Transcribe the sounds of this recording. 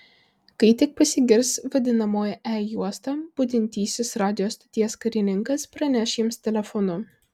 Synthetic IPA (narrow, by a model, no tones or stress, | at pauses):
kɐɪt̪ʲɪk̚pɐsʲɪɡʲɪɾsʋɐd̪ʲɪnɐmoːjɛʔɛjuɔst̪ɐb̥ʊd̪ʲɪnʲt̪ʲiːsʲɪsɾɑːd̪ʲɪjoːst̪ɐ̥t̪ʲiɛskɐɾʲɪnʲɪŋkɐspɾɐnʲɛʃjɪmst̪ʲɛlʲɛfɔnʊ